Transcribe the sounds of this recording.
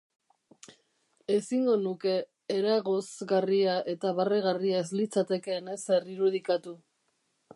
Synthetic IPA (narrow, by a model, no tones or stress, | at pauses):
e̞siŋɡo̞nuke̞ː | ɾaɣo̞zɣariaʔe̞t̪aβareɣ̞ariaezlit͡sat̪e̞ke̞ːne̞se̞riɾuð̞ikat̪u